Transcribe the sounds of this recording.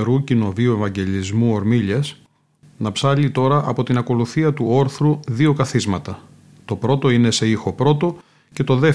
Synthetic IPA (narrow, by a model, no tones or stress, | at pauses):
ɾucino̞vioevɐɲɟe̞lizmuo̞ɾmiʎɐs | nɐpsɐʎit̪o̞ɾɐʔɐpo̞t̪inɐko̞luθiɐt̪uo̞ɾθɾuðio̞kɐθizmɐt̪ɐ | t̪o̞pɾo̞t̪o̞ine̞se̞ixo̞pɾo̞t̪o̞ | ce̞t̪o̞ðe̞